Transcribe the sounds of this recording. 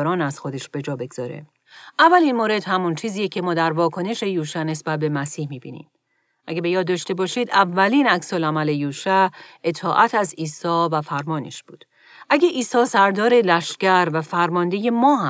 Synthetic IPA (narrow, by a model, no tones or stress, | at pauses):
ɾɒːnæz̥xo̞d̪e̞ʃb̥e̞d͡ʒɒːbe̞ɡz̥ɒːɾe̞̰ | ʔævːælinmoɾe̞d̪̥hæmunt͡ʃʰiːziːjecʰe̞mɒːd̪æɾvɒːkʰo̞ne̞ʃe̞juːʃæne̞sbæt̪̚be̞mæsiːhmiːbḭːnḭːm | ʔæ̰ɡebe̞jɒːd̪ːɒːʃt̪e̞bɒːʃiːd̪ævːæliːnæksolæmæle̞juːʃæʔe̞t̪ʰɒːʔæt̪ʰæziːsɒːvæfæɾmɒːnḛʃb̥ṵːd̪̥ | ʔæɟeʔiːsɒːsæɾd̪ɒːɾe̞læʃcæɾvæfæɾmɒːnd̪e̞je̞mɒːɦæ